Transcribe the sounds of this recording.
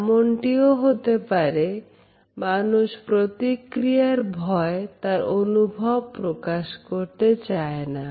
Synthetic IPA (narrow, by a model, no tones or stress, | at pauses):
moɳʈioɦot̪epaɾe | manuʃpɾot̪ikɾijaɾbʱɔet̪aɾonubʱɔb̚pɾokaʃkoɾt̪et͡ɕaena